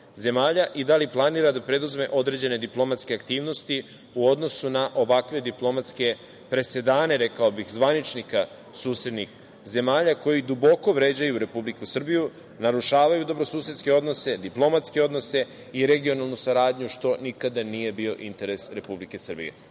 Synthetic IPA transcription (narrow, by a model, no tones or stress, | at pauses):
ze̞maːʎaʔid̪aliplˠaniɾad̪apɾe̞d̪uzme̞ʔo̞d̪ɾe̞d͡ʑe̞ne̞d̪iplˠo̞mat̪ske̞akt̪iːʋno̞st̪i | uo̞d̪no̞sunaʔo̞ʋakʋe̞d̪iplˠo̞mat̪ske̞ | pɾe̞se̞d̪aːne̞ɾe̞kaobixzʋanit͡ʃnika | suːsed̪nix | ze̞maːʎako̞jid̪ubo̞ko̞ʋɾe̞ːd͡ʑajuɾe̞publikusr̩biju | naɾuʃaːʋajud̪o̞bɾo̞suːset̪ske̞o̞d̪no̞se̞d̪iplo̞mat̪ske̞o̞d̪no̞se̞ | iɾe̞ɡio̞nalˠnusaɾaːd̪ɲuʃt̪o̞nikad̪anije̞bio̞ʔint̪e̞ɾe̞sɾe̞publike̞sr̩bḭḛ